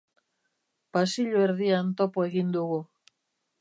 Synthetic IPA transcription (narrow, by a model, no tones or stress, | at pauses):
pasiʎoeɾðiant̪o̞poe̞ɣind̪uɣu